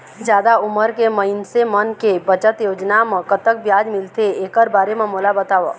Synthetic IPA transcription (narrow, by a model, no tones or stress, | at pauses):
d͡ʒjaːd̪aʊməɾkeməɪnsemənkebət͡ʃət̪joːd͡ʒnamə̃kət̪ək̚bjaːd͡ʒmɪlt̪eeːkəɾbaːɾemẽmoːlabət̪aːʋa̰